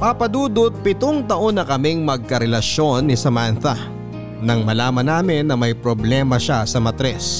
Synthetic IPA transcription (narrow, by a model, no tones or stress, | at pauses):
pɐpɐd̪uːd̪ot̪̚pɪt̪oŋt̪ɐʔo̞nːɐkɐmɪŋmɐɡ̚kɐɾɛlɐʃo̞nːɪsɐmanθɐ | nɐŋmɐlaːmɐnaːmɪnːɐmɐjpɾoblɛːmɐʃasɐmɐt̪ɾɛs